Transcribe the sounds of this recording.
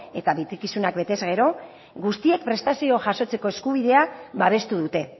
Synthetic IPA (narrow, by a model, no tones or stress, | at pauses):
e̞t̪aβit͡sikisunakbe̞t̪e̞zɣe̞ɾo̞ | ɡust̪ie̞k̚pɾe̞st̪asio̞ʝaso̞t͡se̞ko̞e̞skuβ̞iðe̞aβaβe̞st̪uðut̪e̞